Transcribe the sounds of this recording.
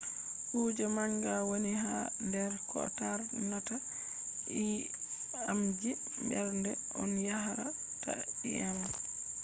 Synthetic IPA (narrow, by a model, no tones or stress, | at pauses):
huːd͡ʒɛmaŋɡawoniɦandɛɾkʰɔ̰taɾnata | i | amd͡ʒi | mbɛɾndɛʔɔnjaɦaɾa | ta̰ɗḭal